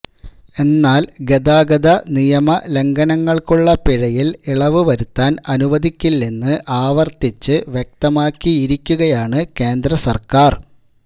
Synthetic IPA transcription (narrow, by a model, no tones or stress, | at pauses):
e̞nːaːlɡed̪aːɡɐd̪ɐnijɐmɐle̞ŋɡɐnɐŋːɐɭkuɭːɐpiɻɐjiliɭɐʋɨʋɐɾut̪ːaːnɐnuʋɐd̪ʱikʲːilːinːɨʔaːʋɐrt̪it͡ɕːɨʋje̞k̚t̪ɐmaːkːiiɾikʲːuɣɐjaːɳɨke̞ːnd̪rɐsɐrkaːr